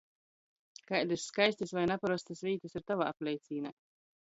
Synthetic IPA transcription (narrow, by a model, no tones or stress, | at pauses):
kajd̪isskajsʲt̪ʲisvajnapaɾɔst̪asvʲiːt̪ɨsiɾt̪avaːaplʲɛjt̪siːna